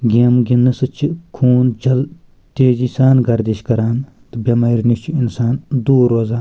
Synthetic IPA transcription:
ɡʲeːmɡʲinɨsɨt͡ʃʰikʰuːnt͡ʃʰɐl | t̪eːd͡ʒisaːnɡɐɾd̪iʃkɐɾaːn | t̪ɨbʲɐmɐiɾnit͡ʃʰiinsaːnd̪uːɾoːzaːn

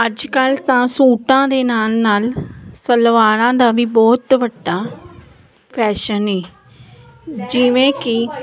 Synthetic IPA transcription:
əd͡ʒkəlt̪ãːsuːʈãːd̪eːnaːlnaːlsəlʋaːɾãːd̪aːʋiːbɔːt̪ʋəɖːaː | pʰɛːʃənɦɛː | d͡ʒɪʋẽːkɪ

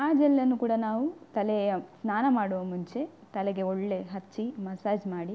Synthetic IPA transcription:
aːd͡ʒɛlːɐnːukuːɽɐnaːʋut̪ɐlejɐsnaːnɐmaːɽuʋɐmuɲt͡ʃe̞ | t̪ɐleɡe̞oɭːe̞ɦɐt͡ʃːimɐsaːd͡ʒmaːɽi

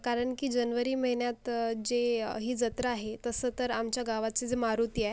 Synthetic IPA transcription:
kaɾəɳkiːd͡ʑənʋəɾiːməiɳjat̪d͡zeɦiːd͡zət̪ɾəaɦet̪əsəːt̪əɾamt͡ɕjaɡaʋat͡sed͡zemaɾut̪ia

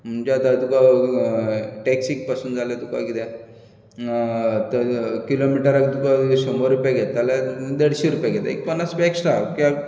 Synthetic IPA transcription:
m̤ənd͡ʑat̪at̪uka | ʈeksik̚pasuːnd͡zʱaljat̪uka̰kit̪ɛ | t̪əkilomiʈəɾaɡt̪ukasɔmoɾɾupjaɡet̪t̪ːalad̪eɽɕeɾupjaɡʱet̪a̰ḛk̚pənːaspeksʈakja

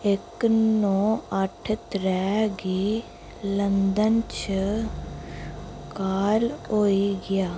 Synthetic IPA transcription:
ɪknõːəʈʰt̪ɾɛːɡiː | lənd̪ənt͡ʃ | kaːloːiːɡɪjaː

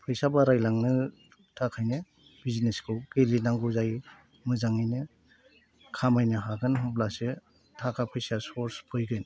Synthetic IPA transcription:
pʰɯjsabaɾajlaŋnɯ | tʰakʰajnɯ | bizineskʰɯwɡelinaŋɡuzaj | mɯzaŋɯjnɯ | kʰamajnɯɦaɡɯnɦɯblase | tʰakʰapʰɯjsaspoɾspʰojɡɯjn

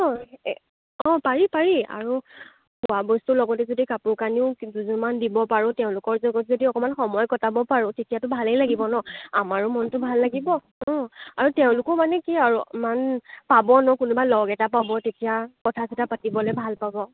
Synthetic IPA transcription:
ɔ | ɔ̃paɹipaɹia̰ɹu | puwabɔstulɔɡɔtɛzodikapʊɹkaniʊduzunmandibɔpaɹʊ̃tɛʊ̃lʊkɔɹzɔɡɔtzodiɔkɔmanxɔmɔjkɔtabɔpaɹʊ̃tetijatʊbʱalejlaɡibɔnɔamaɹʊmɔntʊbʱalːaɡibɔ | ɔ̃aɹutɛʊ̃lʊkɔmanɛkiaɹumanpabɔnɔkʊnubalɔɡɛtapabɔtetijakɔtʰasitapatibɔlɛbʱalpabɔ

